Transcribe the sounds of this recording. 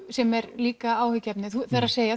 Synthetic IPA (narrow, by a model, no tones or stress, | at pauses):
sɛmɛɾliːkaaːwhʏcːɛpnɪθuθaɾaðseːja